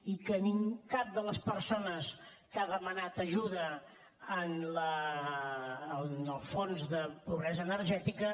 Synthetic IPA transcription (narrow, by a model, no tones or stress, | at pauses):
ikəniŋkap̚d̪ələspəɾsonəs | kaðəmənat̪əʒuðə | ənlə | nəlˠfonzðəpuβɾɛzəːnəɾʒɛt̪ikə